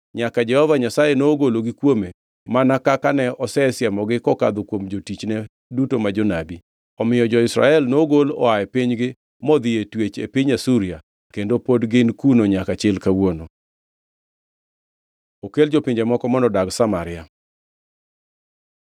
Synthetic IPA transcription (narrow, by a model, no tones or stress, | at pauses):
ɲakad͡ʒɛhɔvaɲasajenoːɡoloɡikwome | manakakanɛɔsɛsɪamɔɡɪkɔka̰d̪okwomd͡ʒotit͡ʃnɛ | dutomad͡ʒonabi | ɔmɪjɔd͡ʒɔɪsɾa̰ɛlnoɡolɔ̰aɛpiɲɡɪ | mɔd̪ɪjetwet͡ʃḛpiɲasuɾɪa | kendopodɡɪnkunoɲakat͡ʃɪlkawono | okeld͡ʒopɪɲd͡ʒɛmɔkɔmɔnɔdaɡsamaɾɪja